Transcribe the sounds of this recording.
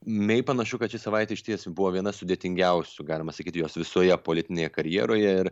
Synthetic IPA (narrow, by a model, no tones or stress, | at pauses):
mʲɛɪpɐnɐʃʊkɐt̪t͡ʃʲɪsɐʋɐɪt̪ʲeʃʲɪt̪ʲiɛsbʊʋoːʋʲiɛnɐsʊd̪ʲeːt̪ʲɪŋʲɡʲɛʊsʲʊɡɑːlʲɪmɐsɐkʲiːt̪ʲjoːsʋʲɪsoːjɛpoːlʲɪt̪ʲɪnʲeːjɛkɐɾʲjiɛɾoːjɛɪɾ